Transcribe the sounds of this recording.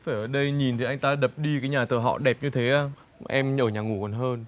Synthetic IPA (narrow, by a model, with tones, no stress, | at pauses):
faː˧˩jʔəː˧˩ɗə˧jɲi˨˩nt̪ʰi˨˩˦ʔa˧ŋ̟t̪aː˧ɗə˨˩p̚ɗi˧kaː˨˦jɲaː˨˩t̪əː˧˩ɦɔ̰˧˨ɗɛ˨˩p̚ɲɨ˧t̪ʰe˨˦ʔaː˧˩ | ʔɛ˧mɲəː˧˩ɲaː˨˩ŋu˧˩kɔ˨˩nɦəː˧n